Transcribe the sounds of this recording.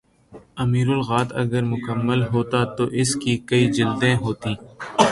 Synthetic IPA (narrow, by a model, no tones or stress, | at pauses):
ɐmiːɾʊlɣaːt̪ɐ̰ɡəɾmʊkəmːəlɦoːt̪at̪oʔɪskikɐid͡ʒɪld̪ẽɦoːt̪ĩː